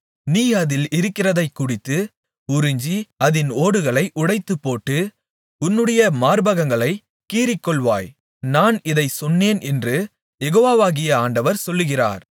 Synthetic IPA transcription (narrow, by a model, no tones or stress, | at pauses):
niːɐðɪlɪɾɯkːɪrɐðɐɪkːʊɽɪt̪ːɯ | ʊɾɪɲd͡ʒiɐðɪnoːɽɯɣɐɭɐɪʔʊɽɐɪt̪ːɯpːoːʈːɯ | ʊnːɯɽɐjɐmaːɾbɐɣɐŋɡɐɭɐɪ | kiːɾɪkːɔɭʋa̰ːj | naːnɪðɐɪsɔnːeːnɛndrɯ | jɛɣoːʋaːʋaːɣɪjɐaːɳɖɐʋɐɾsɔlːɯɣɪra̰ːɾ